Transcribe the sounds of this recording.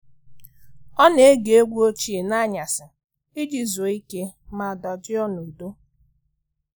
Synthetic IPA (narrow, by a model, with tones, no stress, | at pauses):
ɔ˦ne˨˦ɡe˨e˦ɡʷu˦o˦t͡ʃi˦e˨na˦ɲa˨sɪ˨ | ɪ˦d͡ʒi˨zo˨i˦ke˦ma˨dɔ˨d͡ʒɪ˦ɔ˦no˨do˦